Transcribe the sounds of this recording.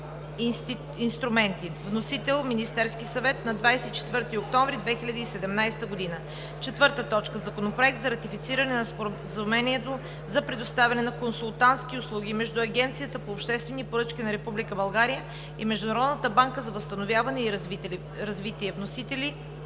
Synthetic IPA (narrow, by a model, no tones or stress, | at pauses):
t̪i | inst̪ɾʊmɛnt̪ivnosit̪ɛlˠminist̪ɛɾsk̟isɐvɛt̪nɐd̪vajsɛit͡ʃɛ̥t̪vɤɾt̪iok̚t̪ɔɱvɾid̪vɛxilʲɐd̪iːsɛd̪ɛmnajst̪əɡod̪inə | t͡ʃɛt̪vɤɾt̪ət̪ɔt͡ʃkəzɐkonopɾoɛk̚td̪zɐɾɐt̪ifit̪siɾɐnɛnɐspɾ | zɐumɛniɛt̪o | zɐpɾɛd̪ost̪avʲɛnɛnɐkonsulˠt̪ant̪sk̟iʊslˠuɡ̟ʲimɛʒd̪uɐɡʲɛnt̪sijət̪əpoːpʃt̪ɛst̪vɛnipoɾɤt͡ʃkʲinɐɾɛpublikəbɐlˠɡaɾijə | imɛʒd̪ʊnɐɾɔd̪nət̪əbaŋkəzɐvəst̪ɐnovʲjavɐnɛiɾ | ɾɐzvit̪iɛvnosit̪ɛli